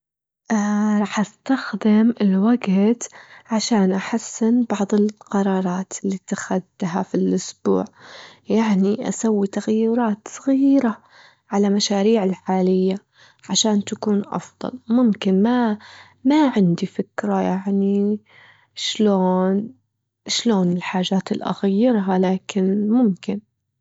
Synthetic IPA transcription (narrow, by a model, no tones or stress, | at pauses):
ʔɾˤɑːħʔast̪axd̪ɪmɪlwaɡt̪ʕaʃaːnʔaħasːɪnbɑʕðˤɪlqɑɾˤɑːɾˤɑːt̪ɪlːiːt̪axad̪ːɦafilʔʊsb̥ṵːʕjaʕniʔa̰sawːit̪aɣajːʊɾˤɑːt̪sˤɑɣiːɾa | ʕalamaʃaːɾiːʕɪlħaːlɪjːa | ʕaʃaːnt̪akuːnʔɑ̰fðˤɑ̰lmʊmkɪnma | maʕɪnd̪ifɪkɾajaʕni | ʃloːn | ʃloːnɪlħaːʒaːt̪ɪlʔa̰ɣajːɪɾɦalaːkɪnmʊmkɪn